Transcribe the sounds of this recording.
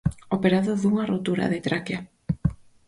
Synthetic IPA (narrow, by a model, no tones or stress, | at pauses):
opeɾaðoðuŋarot̪uɾa̰ðet̪ɾakja